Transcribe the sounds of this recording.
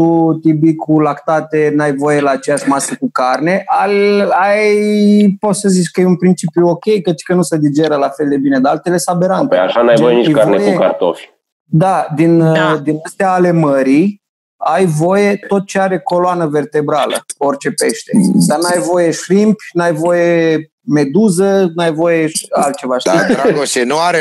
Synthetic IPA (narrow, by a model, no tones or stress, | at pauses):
t̪ut̪ibikʰulakt̪at̪e̞najvo̞je̞laːt͡ʃejaʃmasəkukarne̞ʔaajpo̞t̪səzit͡ʃʲkəjeunpɾint͡ʃipjuokʲe̞jkət̪kənused̪id͡ʒe̞ɾəlafe̞ld̪e̞bine̞d̪alt̪ele̞sabe̞ɾant̪ja̰ʃanajvojenit͡ʃkavnejkueka̰ɾt̪o̰fʲ | d̪ad̪ind̪inast̪eaːle̞məɾi | ajvo̞je̞t̪o̞t̪̚t͡ʃe̞aɾe̞ko̞loanəve̞rt̪e̞bɾalə̰o̞rʲt͡ʃe̞pe̞ʃt̪e̞d̪anajvo̞je̞ʃɾimpʲnajvo̞je̞ | me̞d̪uzənajvo̞jeʃalt̪̚t͡ʃe̞vaʃoenuaɾe